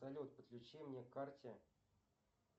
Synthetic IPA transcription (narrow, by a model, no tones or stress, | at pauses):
alʲot̪̚pət̪klʲʊt͡ɕemnʲekːartʲɪ